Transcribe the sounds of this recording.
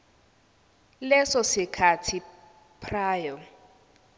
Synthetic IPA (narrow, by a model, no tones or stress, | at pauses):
lɛsɔsɪkʰatʰi | pʰraːjɔ